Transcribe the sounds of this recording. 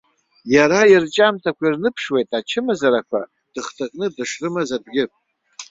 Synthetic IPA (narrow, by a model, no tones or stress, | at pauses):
jaɾairt͡ʃʼamtʰakʷʰirnɨpʰʂwe̞jtʼat͡ʃʰɨmazaɾakʷʰa̰ | d̥ɨχtʰakʼnɨdɨʂrɨmazadɡʲɪpʼ